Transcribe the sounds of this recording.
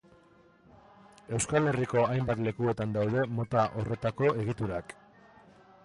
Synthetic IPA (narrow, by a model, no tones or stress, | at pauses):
e̞wskale̞riko̞ajmbat̪le̞kue̞t̪and̪awð̞e̞mo̞t̪aʔo̞re̞t̪ako̞ʔe̞ɣ̞it̪uɾak